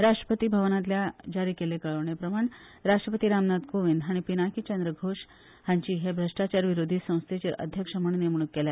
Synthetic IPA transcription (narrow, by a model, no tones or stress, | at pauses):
ɾaʂʈɾəpət̪iːbʱəʋnãt̪̬ljad͡ʑaɾiːkelekəɭoʋɳepɾəmaɳ | ɾaʂʈɾəpət̪iɾamnad̪koʋind̪ɦaɽ̃ipinakit͡ɕənd̪ɾəɡʱoʂ | haɲt͡ɕiːɦebʱɾəʂʈat͡ɕaɾʋiɾod̪ʱiːsə̃w̃st̪ʰet͡ɕeɾʔə̰d̪ʱjəkʂəməɳnemɳ̃ukːelja